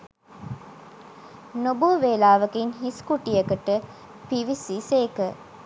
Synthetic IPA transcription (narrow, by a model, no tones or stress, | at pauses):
nobuəʋeːlaːʋɐkinɦiskuʈijɐkəʈə | piʋisiseːkə